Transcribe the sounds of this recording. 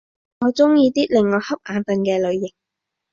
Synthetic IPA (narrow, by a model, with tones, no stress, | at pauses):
ŋɔː˨˧˥t͡sʊ˥ŋjiː˧t̪iː˥lɪ˨˩ŋŋɔː˨˧hɐ˥p̚ʔaː˨˧nt̪ɐ˨ŋkɛː˧lɵ˨˧ɥjɪ˨k̚